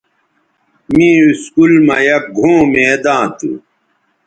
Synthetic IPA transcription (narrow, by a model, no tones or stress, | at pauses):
mĩːuskulmɐjɐp̚ɡʱõːmeːd̪ãːt̪ṵ